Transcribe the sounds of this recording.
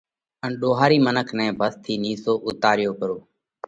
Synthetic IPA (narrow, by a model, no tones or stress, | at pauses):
ənɗoːɦaːɾiːmənəkʰnɛ̃ːbʱəst̪ʰiːniːsoːʔʊt̪aːɾɪjoːkəɾoː